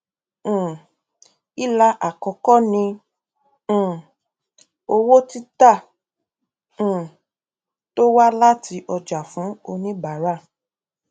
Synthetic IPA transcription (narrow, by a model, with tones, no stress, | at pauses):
i˦la˧ʔa˨kɔ˨kɔ˦nĩ˧˨ | o˧wo˦ti˦ta˦˨ | to˦wa˦la˦ti˧˦ʔɔ˧d͡ʒa˨fũ˨˦o˧nĩ˦ba˨ɾa˦˨